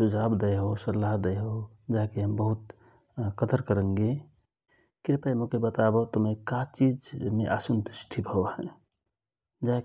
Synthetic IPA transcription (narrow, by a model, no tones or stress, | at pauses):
ud͡ʒʱabd̪əjɦosəɾlːaɦd̪əjɦo | d͡ʒaɦkeɦəmbəɦut̪̚ | kət̪əɾkəɾə̃ŋɡe | kɪɾpəjmokebət̪abɔt̪omekat͡ʃid͡ʒmḛʔasənt̪usʈʰibʱəoɦɛ̃ | d͡ʒaɦk